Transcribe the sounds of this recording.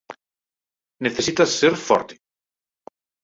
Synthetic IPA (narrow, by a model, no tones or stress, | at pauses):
neθesit̪asːeɾfɔ̰ɾt̪e̥